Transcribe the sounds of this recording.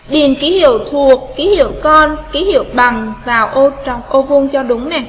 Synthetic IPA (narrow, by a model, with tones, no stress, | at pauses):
ɗi˨˩ənki˨˦hḭ˧˨əwt̪ʰu˨˩ək̚ːi˨˦hḭ˧˨əwkɔ˧nki˨˦hḭ˧˨əwɓa˨˩ŋvaː˨˩wʔo˧t͡ɕɔ̰˨wŋ͡mʔo˧vʊ˧ŋ͡mt͡ɕɔ˧ɗʊ˨˦ŋ͡mnɛ˨˩